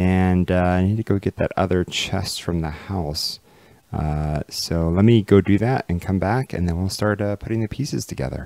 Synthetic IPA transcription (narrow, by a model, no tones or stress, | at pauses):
ɨ̃nʌaɪnid̚tʰɨɡoʊɡɛt̪̚ðɨ̰ɾʌ̰ðə˞t͡ʃʰɛ̰stfɹʌ̃mðəhaʊs | ʌsoʊlɛt̚miɡoʊdɨðæɾɨ̃nkʰʌ̃mbækʰɨ̰̃nðɨ̃nwilˠstɑɹt̚ʌpʰʊɾɪ̃ŋðɨpʰisɨ̰z̥tʰɨɡɛ̰ðə̰˞